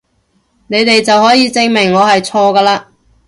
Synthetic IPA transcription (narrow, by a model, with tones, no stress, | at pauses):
ne˨˧jt̪e˨jt͡sɐ˨whɔː˨˥jiː˨˧t͡sɪ˧ŋmɪ˨˩ŋːɔː˨˧hɐ˨jt͡sʰɔː˧kaː˧laː˧